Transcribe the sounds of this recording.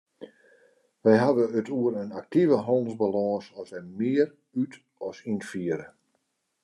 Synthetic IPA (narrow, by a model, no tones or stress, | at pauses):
ʋɛjɦadəətʰuəɾənak̚tivəɦɔnzbalɔ̃ːsɔsɛmɪːəɾ | yt | ɔsinfiəɾə